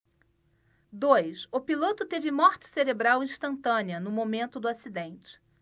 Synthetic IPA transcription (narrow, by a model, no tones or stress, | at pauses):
d̪ojsʊpilot̪ʊt̪evɪmɔχt͡ʃɪ̥seɾebɾawĩʃt̪ɐ̃nt̪ɐ̃niɐnʊmomẽnt̪ʊd̪ʊasid̪ẽnt͡ʃɪ̥